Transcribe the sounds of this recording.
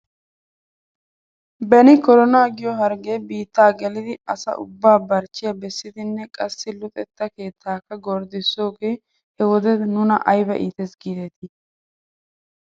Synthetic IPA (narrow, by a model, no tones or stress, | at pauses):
bɛnɪkɔɾɔnaːɡɪjɔɦɐɾɡe̞ːbiːt̪ːaːɡɛlɪd̪ɪɐsɐ̰ʔʊ̰bːaːbɐɾt͡ʃːɪjɐbɛsːɪd̪ɪnːɛkʼɐsːɪlʊt̪ʼɛt̪ːɐke̞ːt̪ʰːaːkːɐɡɔɾd̪ɪsːo̞ːɡeː | hɛwɔd̪ɛnʊnɐ̰ʔɐjbɐʔiːt̪ɛsɡid̪ɛt̪ɪ